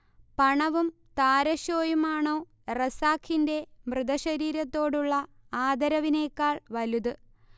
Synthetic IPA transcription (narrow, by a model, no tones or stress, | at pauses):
pɐɳɐʋum | t̪aːɾɐɕoːjumaːɳo̞ː | rɐsaːkʰːinde̞mrɨðɐɕɐɾiːɾɐt̪ːo̞ːɽuɭːɐ | aːd̪ɐɾɐʋine̞ːkːaːɭʋɐluðɨ